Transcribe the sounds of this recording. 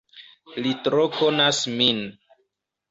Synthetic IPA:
litɾokonasmin

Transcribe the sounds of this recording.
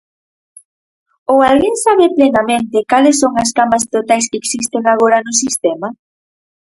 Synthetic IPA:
oalɣeŋsaβeplenamẽnt̪ɪkalɪsːoŋɐskamɐst̪ot̪ajskeeksist̪eŋaɣ̞oɾɐnʊsist̪ɛma

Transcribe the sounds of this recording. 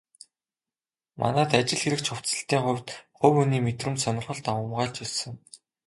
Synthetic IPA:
mʔa̰næːt̪at͡ɕɪ̆ɮxeɾɘ̆kt͡ɕʰχʊw̥t͡sə̆ɬt̪iːŋχʊ̟wʲt̪χʊwɵniːmet̪rɘ̆mt̪sɔnɞ̆rχɞ̆ɮt̪awʊ̆mʁaːɮt͡ɕɵɮsə̆ŋ

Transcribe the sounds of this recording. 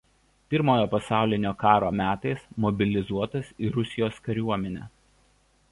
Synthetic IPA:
pʲɪɾmoːjoːpɐsɑˑʊlʲɪnʲoːkɑːɾoːmʲæːt̪ɐɪsmɔbʲɪlʲɪzuɔt̪ɐsiːɾʊsʲɪjoːskɐɾʲuɔmʲɛnʲæ̰ː

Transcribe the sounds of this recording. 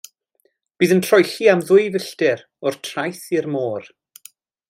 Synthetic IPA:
b̥iːðəntʰrɔjɬiamðʊɨvəɬtɪɾ | ɔr̥tʰrajθirmoːr

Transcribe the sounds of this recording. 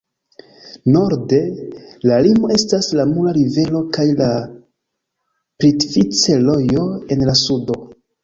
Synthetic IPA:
no̞ɾde̞lalimo̞e̞staslamulaɾive̞lo̞kajla | pɾitfit͡selo̞jo̞e̞nlasudo̞

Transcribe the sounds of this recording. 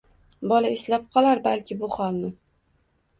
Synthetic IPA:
bɒlaeslap̚qʰɒlˠaɾbalkʲɪbʊχɒlˠnɪ

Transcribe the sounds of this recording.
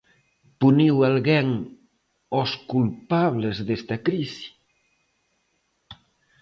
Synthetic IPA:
puniwalɣɛŋ | oskulpaβlezðest̪ɐkɾisi̥

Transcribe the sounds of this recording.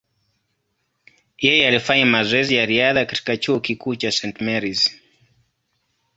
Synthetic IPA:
jɛjɛalifaɲimazɔɛzijaɾiaðakati̥kat͡ʃuɔkikuːt͡ʃasɛntmɛɾiz

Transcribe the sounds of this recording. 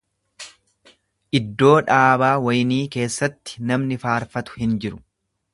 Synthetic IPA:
ʔɪd̪ːo̞ːᶑaːbaːwɐjniːke̞ːsːɐt̪ːɪ̥nɐmnɪfaːɾfɐt̪ʊ̥hɪnd͡ʒɪɾʊ̥

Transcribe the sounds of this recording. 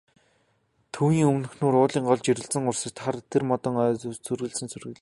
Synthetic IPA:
t̪ʰuːniːŋɵmnɵ̆xnuːɾʊːɮiːŋɢɔɮt͡ɕiɾɘ̆ɮt͡sɘ̆ŋʊrsɪ̆t̪χart̪ʰermɔt̪ɞ̆ŋœt͡sʰɵrɣɘ̆ɮsɘ̆nsʰɵrɣɘ̆ɮ̆

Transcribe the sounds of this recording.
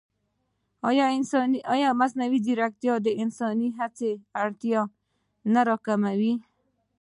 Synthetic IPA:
jnsniɑjɑmasnawid̪iɾak̚t̪jɑd̪eɪnsɔniɦat͡seaɽt̪jɑ | naɾɔkamawi

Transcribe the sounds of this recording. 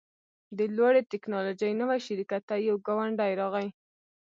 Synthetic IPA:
d̪əlwaɽet̪ɪknɑlod͡ʒajnəwajʃɪɾikat̪ːajawɡawaɳɖajɾɑɣaj

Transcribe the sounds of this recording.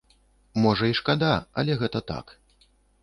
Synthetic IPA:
mɔʐɐiʂkad̪aɐ̰lʲɛɣɛt̪ɐt̪a̰k

